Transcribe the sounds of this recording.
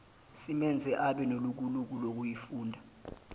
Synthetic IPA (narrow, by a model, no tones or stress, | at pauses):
simɛnd͡zʱɛʔaɓɛnoluk̬uluk̬ulok̬ujifuːndʱa